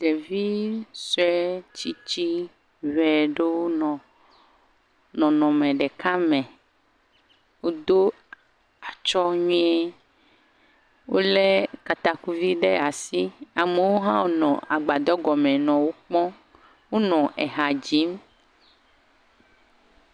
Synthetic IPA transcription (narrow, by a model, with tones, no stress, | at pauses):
ɖ̪e˨vi˦sɔ˦ɛ˦t͡ʃi˦t͡ɕi˦ | vɛ˨ɖe˦wo˦nɔ̃˨ | nɔ̃˨nɔ̃˨mẽ˨ɖe˨ka˦mẽ˨ | wo˦d̪o˦ | a˨t͡ʃɔ˦ɲũ˦ɛ˦ | wo˦le˦ka˨t̪a˨ku˦vi˦ɖe˦a˨si˦a˨me˨wo˦ɦã˦wo˦nɔ̃˨a˨ɡ͡ba˨d̪ɔ˦ɡɔ˨mẽ˨nɔ̃˨wo˦k͡pɔ̃˦ | wo˦nɔ̃˨ʔɛ˨ɦa˨d͡ʑi˨˦m